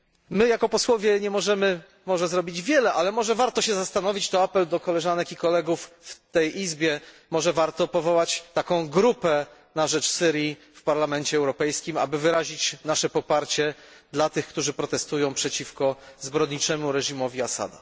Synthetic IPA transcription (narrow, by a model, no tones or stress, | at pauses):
mɘjakɔpɔswɔvʲjɛɲɛmɔʐɛmɘ | mɔʐɛzɾɔbʲid͡ʑvʲjɛlɛʔalɛmɔʐɛvaɾt̪ɔɕɛzast̪anɔvʲit͡ɕt̪ɔapɛld̪ɔkɔlɛʐanɛkikɔlɛɡufːt̪ɛjʔizbʲjɛ | mɔʐɛvaɾt̪ɔpɔvɔwat͡ɕt̪akɔ̃w̃ɡɾupɛ | naʐɛt͡ʂsɘɾji | fpaɾlamɛnt͡ɕɛːwɾɔpɛjskʲima̰bɘvɘɾaʑit͡ɕnaʂɛpɔpaɾt͡ɕɛ | d̪lat̪ɘxkt̪uʐɘpɾɔt̪ɛst̪ujɔ̃w̃pʂɛt͡ɕifkɔzbɾɔd̪ɲit͡ʂɛmuɾɛʐimɔvʲiasa̰d̪a̰